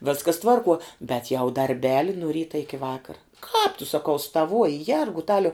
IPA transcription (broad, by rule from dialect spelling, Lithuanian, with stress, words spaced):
ˈʋʲeːskɐs ˈtʋɐrˌkuɔ bʲɛt jɛʊ dɐrʲˈbʲæːlʲɪ nʊ ˈrʲiːtɐ ɪkʲɪ ˈʋɑːkɐrɐ kɑːp tʊ sɐˈkɐʊ stɐˈʋuɔjɪ ˈjɛrɡʊtɐlʲɛʊ